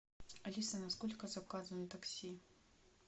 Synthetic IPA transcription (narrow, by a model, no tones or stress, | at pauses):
alʲisɐnaskɔlʲkɐzakazɐnɨt̪aksʲi